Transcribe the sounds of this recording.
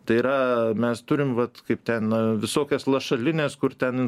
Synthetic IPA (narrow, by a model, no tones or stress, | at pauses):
t̪ɐɪiɾɐmʲɛst̪ʊɾʲɪmʋɐt̪kɐɪp̚t̪ʲɛnɐʋʲɪsoːkʲɛslˠɐʃɐlʲɪnʲeːskʊrt̪ʲɛnɪn